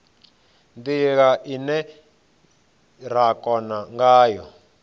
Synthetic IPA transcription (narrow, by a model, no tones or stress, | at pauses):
nd̪iɣaʔinɛ | ɾ̤akɔnaŋɡaːjɔ